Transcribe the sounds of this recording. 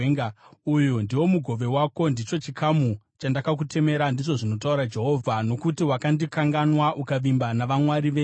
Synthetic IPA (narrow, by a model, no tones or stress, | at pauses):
eŋɡaujundiwo̞muɡʱo̞ʋe̞wako̞ndit͡ʃo̞t͡ʃikʰamu | t͡ʃandakak̬ute̞me̞ɾandiʐo̞ʐino̞tauɾad͡ʒe̞ɦo̞vʱano̞kutiwakandikaŋɡanwaʔukaʋimbanaʋamwaɾiʋe